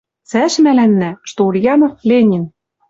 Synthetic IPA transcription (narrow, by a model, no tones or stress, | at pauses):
t͡sæʃmælænːæʃt̪olʲjɑnoflʲenʲin